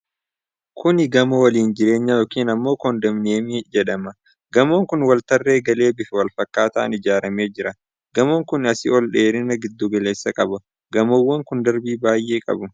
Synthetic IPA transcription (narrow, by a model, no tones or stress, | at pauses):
kʰʊnɪɡɐmɐwɐliːnd͡ʒɪɾe̞ːɲːɐjoːkiːnɐmːo̞ːkɔnd̪ɐmneːmɪd͡ʒɛᶑɐmɐ | ɡɐmoːŋkʊnwɐlt̪ɐrːe̞ːɡɐle̞ːbɪfɛwɐlfɐkːaːt̪ɐʔɐ̰nɪd͡ʒaːɾɐme̞ːd͡ʒɪɾɐ | ɡ̥ɐmoːŋkʊnɐsɪɔlᶑe̞ːɾɪnɐɡɪd̪ːuɡɐle̞ːsːɐkʼɐbɐ | ɡɐmowːɐŋkʊnd̪ɐɾbiːbaːjʔeːkʼɐ̰bʊ